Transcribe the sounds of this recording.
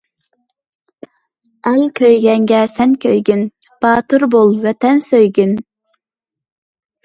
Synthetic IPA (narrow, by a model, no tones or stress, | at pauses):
ælkʲʰøjɡʲɛŋɡʲɛsɛnkʲʰøjɡʲyn | b̥ɑːt̪uɾbolˠvɛt̪ɛnsøjɡʲyn